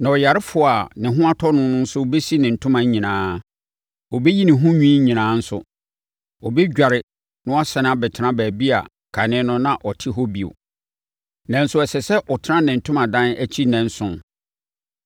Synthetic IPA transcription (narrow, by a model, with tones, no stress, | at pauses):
nã˨ɔ˨ja˨ɾɪ˦fʊ˨a˨nɪ̃˨ɦʊ̃˦a˦tʰɔ˦nʊ̃˦nʊ̃˦n̩˦sʊ˦˨be˦si˦nɪ̃˨n̩˨tʰʊ̃˦mã˨ɲ˦ɲĩ˨nãː˦ | ɔ˨be˦ji˦nɪ̃˨ɦʊ̃˦ɲᶣĩ˦ɲĩ˨nãː˨˦n̩˦sʊ̰˦ | ɔ˨be˦ɟᶣa˨ɾɪ˨ | nʊ̃˦a˦sɛ˨n˦a˦bɛ˨tʰɪ˨˦nã˦bæː˨bi˦a̰˨ | kʰa˨nɪ̃˦nʊ̃˦nã˨ʔɔ˨tʰɪ˦ɦɔ˦bi˨o̰˨ | nã˨n̩˦sʊ˦ɛ˨sɛ˨sɛ˦ʔɔ˨tʰɪ˦nã˦nɪ̃˨n̩˨tʰʊ̃˦mã˨dã˦næ˦t͡ɕʰi˦nɛ̃˨n̩˦sʊ̃˨n